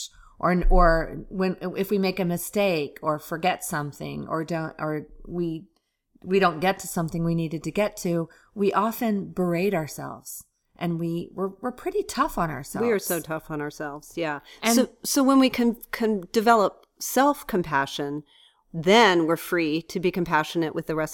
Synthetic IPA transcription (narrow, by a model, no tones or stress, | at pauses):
ʔə˞ə˞wɨ̃nɪfwimeɪkɨmɨsteɪkʰə˞fə˞ɡɛtsʌ̃mθɪ̰̃ŋə̰˞dõʊ̃ʔə˞wi | wiɾõʊ̃nɡ̥ɛtʰɨsʌ̃mθɪ̃ŋwiniɾɨd̚tɨɡɛtʰʉ | wiʔɑfɨ̃nbə˞eɪɾə˞sɛ̰lˠvz̥ | ʔɨ̃nwiwɪɹwəɹpʰɹ̥ɪɾitʰʌfn̩ə̰˞sɛwiə˞soʊtʰʌfn̩ə˞sɛlˠvz̥jæɨ̃ʊsoʊwə̃nwikʰɨ̃nkʰɨ̃nd̥ɨvɛlˠəp̚ | sɛlˠfkʰɨ̃mpʰæʃɨ̃n | ðɨ̃nwɪɹfɹiɾɨbikɨ̃m̩pʰæʃɨnɨʔwʔɨðɨɹɛs